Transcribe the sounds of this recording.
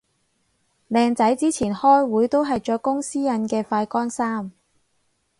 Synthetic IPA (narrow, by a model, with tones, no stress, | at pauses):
lɛː˧ŋt͡sɐ˨˥jt͡siː˥t͡sʰiː˨˩nhɔː˥jwuː˨˥jt̪o˥wɦɐ˨jt͡ʃɔː˨˥kːʊ˥ŋsiː˥jɐ˨˥nkɛː˧faː˧jkɔː˥nsaː˥m